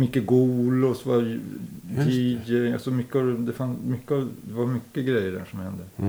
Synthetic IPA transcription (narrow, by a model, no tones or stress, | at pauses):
mʏkːəɡuːlɔsvɑ | d̪iːd͡ʒɛɪa̰sɔmʏkːəɑd̪ɛfanmʏkːəɑd̪ɛvɑɾmʏkːəɡɾɛjːəɖæ̰ːʂɔmhɛnd̪ə